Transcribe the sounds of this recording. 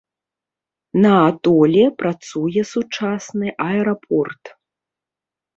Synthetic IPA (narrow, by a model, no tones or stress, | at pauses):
nɐat̪ɔlʲɛpɾat̪sujɛsut͡ʂasnɨʔɐɛɾapʰɔrt̪